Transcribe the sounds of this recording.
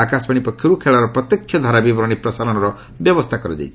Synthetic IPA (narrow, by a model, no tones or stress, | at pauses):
akaspʌɽ̃ipʌkʰjoɾukʰeɭaɾʌprʌt̪jʌkʰjʌd̪ʱaɾabibɾʌɽ̃iprʌsaɾɔnɾʌ | bjʌbʌst̪ʰakʌɾid̪ḛjt͡sʰ